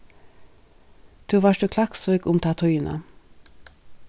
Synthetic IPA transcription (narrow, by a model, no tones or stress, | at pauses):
d̪̥ʉːʋɑːʃdʉːkʰlɑksøːɡʊmt̪ʰɑt̪ʰʊʏnʔə̰